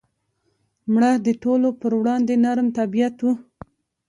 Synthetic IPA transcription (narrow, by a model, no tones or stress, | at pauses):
mɽad̪əʈolopəɾwɽɑnd̪enaɾmt̪abijat̪wu